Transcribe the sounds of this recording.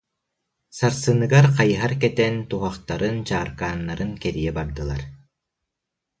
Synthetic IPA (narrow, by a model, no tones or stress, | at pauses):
saɾsɯnɯɡaɾqajɦaɾkɛt̪ɛnt̪uɦaχt̪aɾɯnt͡ɕaːɾkaːnːaɾɯnkɛɾijɛbaɾd̪ɯlˠa̰ɾ